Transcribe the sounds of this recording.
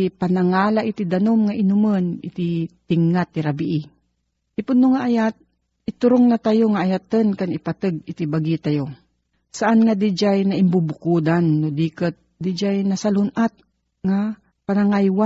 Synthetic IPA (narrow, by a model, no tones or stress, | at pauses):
ɪpanaŋaːlaʔɪt̪id̪anomŋaʔɪnʊmənɪ̰t̪it̪ɪŋːat̪ːɪɾabiʔɪ | t̪ɪpʊnnːoŋaʔajat̪̚ | ʔɪt̪ʊɾoŋnat̪ajoŋaʔːjat̪ənkanɪpat̪ɨɡ̚ɪt̪ibaɡit̪ajo | saʔanŋad̪ɪd͡ʒajnaʔɪmbubʊkuːd̪anːod̪iːkət̪̚d̪ɪd͡ʒajnasalʊnʔat̪̚ | ŋa | panaŋajwa